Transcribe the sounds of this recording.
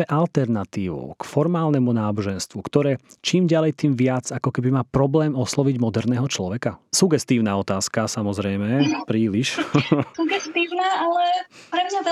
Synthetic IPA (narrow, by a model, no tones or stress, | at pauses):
ɛʔalt̪ɛɾnat̪iːʋṵkfɔɾmaːlnɛmunaːbɔʒɛnst̪ʋukt̪ɔɾɛːt͡ʃiːmɟalɛjt̪iːmʋɪad͡zakɔkɛbimaːpɾɔblɛːmɔslɔʋiɟmɔd̪ɛɾnɛːɦɔt͡ʃlɔʋɛkasuɡɛst̪iːʊnaɔt̪aːskasamɔzɾɛjmɛpɾiːliʃsuɡɛst̪iːʊnaalɛpɾɛmɲa